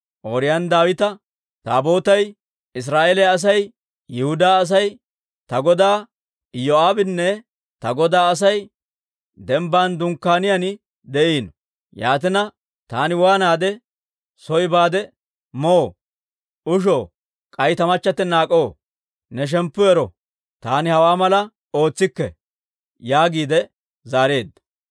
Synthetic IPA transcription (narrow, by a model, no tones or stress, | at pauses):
ʔoːɾɪjɐnd̪aːwɪt̪ɐ | t̪a̰ːbo̞ːt̪ɐj | ɪs̬ɾaːʔelɛjaːs̬ɐj | jɪhʊd̪aːs̬ɐj | t̪ɐɡɔd̪aː | joaːbɪnːɛ | t̪ɐɡɔd̪aːɐs̬ɐj | d̪ɛmbaːnd̪ʊŋkːaːnɪjɐnɪ | d̪ɛʔiːnɔ | ja̰ːt̪̬ɪnɐ | t̪aːnɪwaːnaːd̪ɛ | sɔjbaːd̪ɛ | mɔ | ʊʃ̬oː | kʼɐjt̪ɐmɐt͡ʃːɐt̪ːɛnaːkʼoː | nɛʃ̬ɛmpːʊɛɾɔ | t̪aːnɪhɐwaːmɐlɐ | o̞ːt͡sːɪkːɛ | jaːɡiːd̪ɛ | zaːɾe̞ːd̪ːɐ